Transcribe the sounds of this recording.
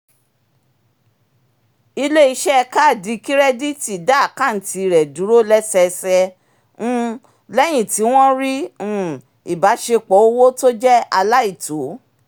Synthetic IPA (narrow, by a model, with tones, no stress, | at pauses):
i˧le˦i˧ʃɛ˦ɛ˧ka˦˨di˨˦ki˦ɾɛ˦di˦ti˨da˦˨kã˦˨n̩˨˦ti˧˨ɾɛ˨du˨˦ɾo˦lɛ˦sɛ˧sɛ̃˧˦ | lɛ˦j̃ĩ˨ti˨˦w̃ɔ̃˦ɾĩ˦˨ | i˨ba˨˦ʃe˧k͡pɔ˨˦o˧wo˦to˦d͡ʒɛ˦a˧la˦i˦˨to˨˦